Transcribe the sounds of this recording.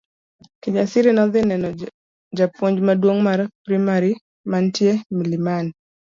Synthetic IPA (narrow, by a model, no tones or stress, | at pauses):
kɪd͡ʒasiɾinɔðɪnɛnɔ | d͡ʒapwoɲd͡ʒmadwoŋmaɾpɾimaɾi | mantjemiliman